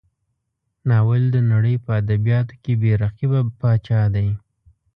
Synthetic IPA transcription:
nɑwəld̪ənaɽəjpəad̪abijɑt̪o̥kebeɾaqibapɑt͡ʃɑd̪aj

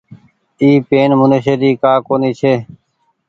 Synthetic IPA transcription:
iːpeːnmʊnəʃeːɾiːkaːkoːniːt͡ʃʰeː

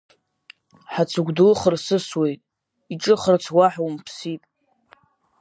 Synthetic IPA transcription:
ħat͡sʰɨɡʷdɨlχərsɨswe̞jtʼ | iʈ͡ʂʼɨχərt͡sʰwaħwmpʰsitʼ

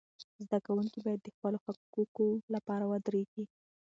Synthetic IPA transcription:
zd̪akawuŋkibɑjad̪ːəxpəloxakkukolapɑɾawad̪ɾeɡi

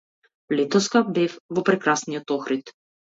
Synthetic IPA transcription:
lɛt̪ɔskabɛfvɔpɾɛkɾasniɔt̪ɔxɾit̪

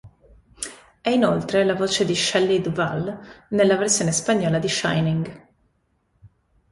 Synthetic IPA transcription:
ɛinolt̪ɾelavoːt͡ʃed̪iʃɛlːid̪va̰lnelːaversjoːnespaɲːɔːlad̪iʃa̰jniŋɡ

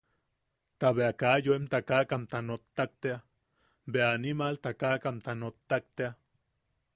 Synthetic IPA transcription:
t̪aβeakajoemt̪akakamt̪anot̪ːak̚t̪ea | beanimalt̪akakamt̪anot̪ːak̚t̪ea

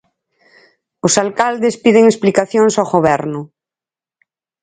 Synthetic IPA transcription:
ʊsalkald̪espið̞eŋesplikaθjoŋsaɣoβɛɾnʊ

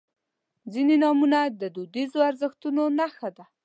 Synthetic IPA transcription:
zinenɑmunad̪əd̪ud̪izoaɾzəxt̪unonaxad̪a

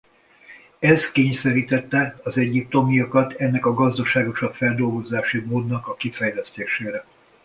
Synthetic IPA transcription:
ɛskeːɲsɛɾiːt̪ɛt̪ːɛɒzɛɟːip̚t̪o̞mijokɒt̪ʰɛnːɛkɒɡɒzd̪ɒʃaːɡo̞ʃɒpfɛld̪o̞lɡo̞zaːʃimoːd̪nɒkɒkifɛjlɛst̪eːʃeːɾɛ

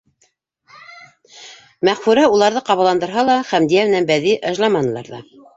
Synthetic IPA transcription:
mæχfʉɾæulˠɑɾðɤqɑβɑlˠɑnd̪ɤ̆ɾɦɑlˠɑχæmd̪ijæmɘ̆nænbæðiʔɑʒlˠɑmɑnɤ̆lˠɑ̰ɾðɑ̰

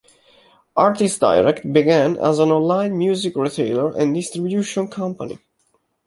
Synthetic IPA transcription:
ʔaɹt̪istda̰jɹɛkt̪̚biɡæ̃næ̰zæ̃nɔ̃nlãɪ̃nmjuzikɹit̪ʰeɪləɹʔɛ̰̃nd̪ist̪ɾibjuʃɔ̃nkʰʌ̃mpa̰nḭ

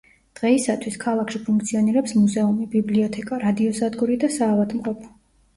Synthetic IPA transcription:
d̪̥ʁɛisat̪ʰwiskʰalˠakʃipʰuŋkt̪sʰiɔniɾɛpsmuzɛumibibliɔt̪ʰɛkʼaɾad̪iɔsad̪ɡuɾid̪asaːvad̪mqʼɔpʰɔ̥

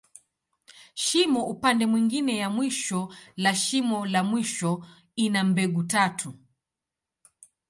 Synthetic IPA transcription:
ʃimɔupandɛmwiŋɡinɛjamwiʃɔlaʃimɔlamwiʃɔ | inam̩bɛɠutatʰu

